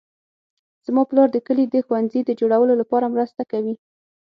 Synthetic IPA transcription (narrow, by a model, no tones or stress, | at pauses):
z̥mɑplɑɾd̪əkəlid̪əxwandzid̪əd͡ʒoɽawəlolapɑɾamɾəst̪akawi